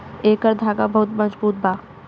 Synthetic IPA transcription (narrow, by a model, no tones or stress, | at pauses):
eːkəɾd̪ʱaːɡabɐɦʊt̪mɐzbuːt̪̚baː